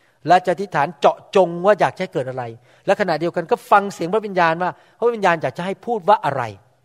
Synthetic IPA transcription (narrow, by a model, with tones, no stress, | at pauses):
lɛ˦˥t͡ɕa˨˩t̪ʰi˦˥t̪ʰːaː˩˦nt͡ɕɔ˨˩ʔt͡ɕo˧ŋwaː˥˩jaː˨˩k̚a˨˩ha˥˩jkɤː˨˩t̪̚ʔa˧ɾa˧j | lɛ˦˥kʰa˧na˨˩ʔdi˧əwka˧nkɔː˥˩fa˧ŋsi˨˦ŋp̚ʰwi˧njaː˧nwaː˥˩ | pʰa˦˥wi˧njaː˧njaː˨˩k̚t͡ɕa˨˩ɦa˥˩jpʰuː˥˩t̪̚waː˥˩ʔa˧ɾa̰˧j